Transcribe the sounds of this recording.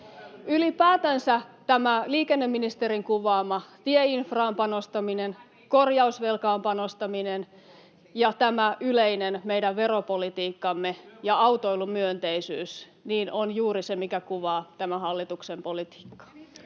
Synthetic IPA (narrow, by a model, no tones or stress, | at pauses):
ylipæːt̪ænsæt̪æmæliːkenːemːinist̪eɾiŋkuʋɑːmɑt̪ieinfrɑːmpɑnost̪ɑminen | ko̞rjɑusʋelkɑːmpɑnost̪ɑminen | jɑt̪æmæʔyleinenme̞jdæʋʋe̞ɾopolit̪iːkːɑmːejɑɑwt̪o̞ilumyønt̪eisyːs | niːnonjuːɾisemikækuʋɑːt̪æmæhɑlːit̪uksempo̞lit̪i̥ːkːɑ̥